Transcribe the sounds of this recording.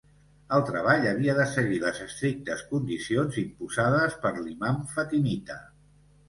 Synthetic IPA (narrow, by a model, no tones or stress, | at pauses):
əlˠt̪ɾəβ̞aʎəβ̞iəðəsəɣiləzəst̪ɾik̚t̪əskund̪isionzimpuzaðəspəɾlimaɱfət̪imit̪ə